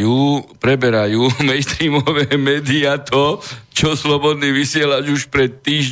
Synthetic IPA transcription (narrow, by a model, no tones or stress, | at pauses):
juːpɾɛbɛɾajuːmɛɪst̪ɾiːmɔʋɛːmɛːd̪iat̪ɔt͡ʃɔslɔbɔd̪niːʋisɪɛlaɟuʃpɾɛt̪ːiːʒ